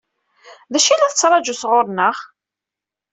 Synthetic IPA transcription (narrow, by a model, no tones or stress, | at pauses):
ðæʃilæθət͡sːɾˤɑd͡ʒusʁʊɾˤnəχ